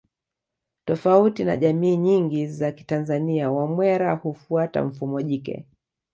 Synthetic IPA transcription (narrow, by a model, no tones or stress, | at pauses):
tɔfautina̰ʄamiːɲiŋɡizaki̥tanzaniawamwɛɾahufuata̰ɱ̩fumɔʄikɛ̰